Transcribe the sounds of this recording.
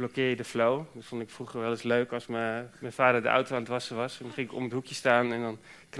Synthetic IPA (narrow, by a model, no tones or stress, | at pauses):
blɔkɪːjədəflowdfɔndɪkfruχəɹʋɛlˠɪsløɥkɑlˠsməmɛnfaːdəɹdəʔa̰wtowaːnətʋɑsəʋɑsɔnχɪŋɪkɔ̰mətɦukjəstaːnɛndɔn | kn